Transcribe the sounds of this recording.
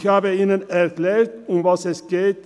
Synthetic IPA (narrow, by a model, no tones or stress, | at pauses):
hɑːbəiːnənæɾkleːɾt̪ʊmʋɑsɛsɡ̥eːt̪